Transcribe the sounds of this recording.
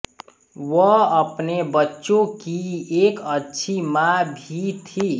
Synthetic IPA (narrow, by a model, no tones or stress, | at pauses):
wəəpnebətːʃõkiekətːʃʰimabʱit̪ʰi